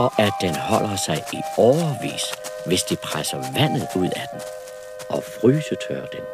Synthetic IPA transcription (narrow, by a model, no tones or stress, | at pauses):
ɒʔæd̥enhɒ̽l̰ɐsɑ̈ɪiɒʊɐʋḭːsʋe̝sd̥ipʰʁasɐʋæn̰ð̞̩ˠuð̞̰ˠæd̥en | ʔɒ̽fʁyːsət͡sʰøːɐd̥en